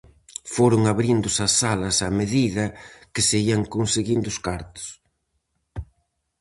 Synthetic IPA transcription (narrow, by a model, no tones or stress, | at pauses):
foɾʊŋaβɾind̪ʊsɐsːalɐsɐmeðiðɐkɪseiɐŋkonseɣind̪ʊskaɾt̪ʊ̥s